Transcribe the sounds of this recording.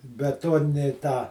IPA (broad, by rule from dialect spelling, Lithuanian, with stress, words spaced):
bʲɛˈtuɔnʲɪnʲɪ ˈtɑː